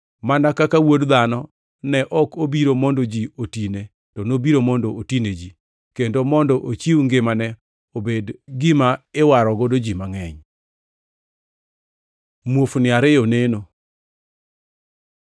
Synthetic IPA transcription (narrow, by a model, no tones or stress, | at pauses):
manakakawodd̪anɔ | nɛʔɔkobiɾomɔndod͡ʒiotine | tɔnobiɾomɔndɔotined͡ʒi | kendomɔndɔʔot͡ʃiwŋɡɪmanɛ | obedɡɪmaɪwaɾɔɡodod͡ʒimaŋɛɲ | mwofnɪaɾɪjoneno